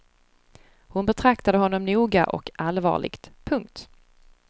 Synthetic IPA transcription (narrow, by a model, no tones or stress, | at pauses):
hʊnbɛt̪ʰɾakt̪ad̪əɦɔnːɔmnuːɡa̰ʔɔ̰kalvɑ̰ːɭɪ̰ɡt̪pʰɵŋk̚t̪